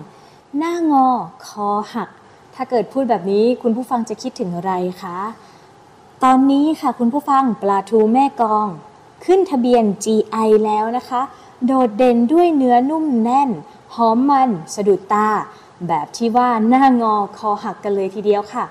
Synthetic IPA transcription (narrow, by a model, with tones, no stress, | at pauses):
naː˥˩ŋɔː˧kʰɔː˨˧˦ha˨˩k̚ | t̪ʰaː˥˩kɤː˨˩t̪̚pʰuː˥˩t̪̚bɛː˨˩p̚niː˦˥kʰu˧npʰuː˥˩fa˧ŋt͡ɕa˨˩kʰi˦˥t̪ʰːɯ˩˦ŋʔa˧ɾa˧jkʰa˦˥ | t̪ɔː˧nːiː˦˥kʰa˥˩kʰu˧npʰuː˥˩fa˧ŋplaː˧t̪ʰuː˧mɛː˥˩kɔː˧ŋ | kʰɯ˥˩nt̪ʰa˧bi˧ənt͡ɕiː˧ʔa˧jlɛː˦˥wna˦˥kʰa˦˥ | doː˨˩t̪̚de˧ndu˥˩əjnɯ˦˥ɐnu˥˩mnɛ˧˥˩n | hɔː˨˦˥mːa˧nsa˧du˨˩t̪aː˧ | bɛː˨˩p̚t̪ʰiː˥˩waː˥˩naː˥˩ŋɔː˧kʰɔː˨˦ha˨˩kːa˧nlɤː˧jt̪ʰiː˧di˧əwkʰa˥˩